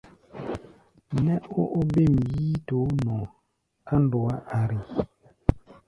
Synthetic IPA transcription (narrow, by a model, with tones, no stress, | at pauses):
nɛ˦o˦ʔo˦be˦˨m˨jiː˦to˨˦nɔ˨ | a˦ndo˨a˦ʔa˨ɾi˨